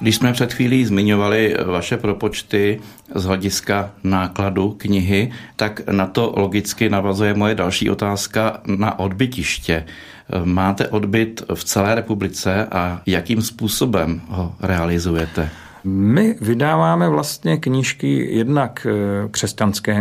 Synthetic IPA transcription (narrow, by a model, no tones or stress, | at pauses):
ɡdɪʃsmɛpr̥ɛt̪xviːliːzmɪɲo̞valɪvaʃɛpɾo̞po̞t͡ʃt̪ɪ | zɦlɛɟɪskanaːkladukɲɪɦɪt̪aknat̪o̞lo̞ɡɪt͡skɪnavazujɛmojɛdalʃḭːʔo̞t̪aːskana̰ʔo̞dbɪcɪʃcɛ | maːt̪ɛʔo̞dbɪt̪ft͡sɛlɛːɾɛpublɪt͡sɛʔajakiːmspuːso̞bɛmɦo̞ɾɛalɪzujɛt̪ɛ | mɪvɪdaːvaːmɛvlast̪ɲɛkɲiʃkɪjɛdnakkr̥ɛscanskɛː